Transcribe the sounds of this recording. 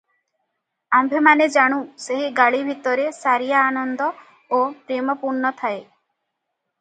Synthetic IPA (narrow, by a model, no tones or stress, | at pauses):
ambʱemaned͡ʒaɽ̃ũseɦiɡaɭibʱit̪ɔɾesaɾijaːnɔnd̪ɔ | opɾemɔpuɾɳɔt̪ʰae